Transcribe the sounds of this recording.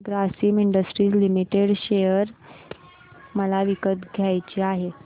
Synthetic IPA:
ɡɾasiːmiɳɖəsʈɾiːt͡slimiʈeɽɕejəɾ | məlaʋikət̪ɡʱjajt͡ɕeaɦe

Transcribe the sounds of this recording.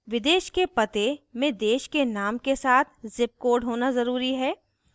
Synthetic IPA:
ʋɪd̪eːʃkepɐt̪emẽd̪eːʃkenaːmkesaːt̪ʰzɪp̚koːɖɦoːnazɐɾuːɾiɦɛː

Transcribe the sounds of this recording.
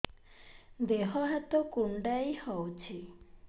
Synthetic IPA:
d̪eɦɔɦat̪ɔkuɳɖajhɔwt͡ʃʰi

